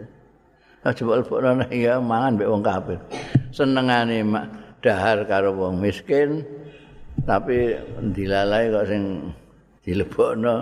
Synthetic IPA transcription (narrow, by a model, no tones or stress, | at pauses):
ɔʔd̥ʒ̥ə̤bɔʔləb̥ɔʔnɔnaʔijɔmaŋanbɛʔwɔŋkapɪrsənəŋanemaʔɖ̥aɦarkaɾowɔŋmiskɪn | t̪apind̪ilalaikɔʔsɪŋ | d̪̥i̤ləb̥ɔʔnɔ